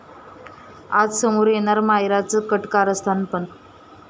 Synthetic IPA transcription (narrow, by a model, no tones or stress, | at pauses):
a̰d͡zsəmoɾjeɽ̃aɾmajɾat͡səkəʈkaɾəst̪ʰanpəɳ